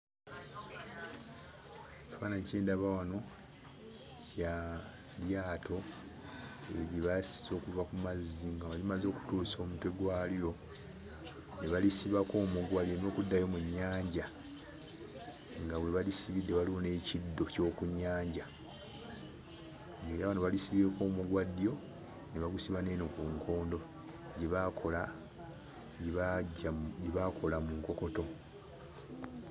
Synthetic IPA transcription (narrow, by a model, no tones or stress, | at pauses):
βaːnaceːndaβawano̞ | ca | ljaːtʰo̞ | e̞ɾiβasi̥zo̞ːkuvakumazːiŋɡaβalimazo̞ːku̥tuːso̞ːmutweɡwaljo̞ | neβalisiβako̞ːmuɡwalieno̞ːkudːajo̞muɲːaːɲɟa | ŋɡaβwe̞βalisiβidːeβaliwo̞ne̞ːcidːo̞co̞ːkuɲːaːɲɟa | ɡeɾaβanoβalisiβieko̞ːmuɡwadːjo̞ | neβaɡusiβane̞ːnokuŋkʰo̞ːndo̞ | ɟeβakʰola | ɟɟeβako̞lamuŋko̞ko̞to̞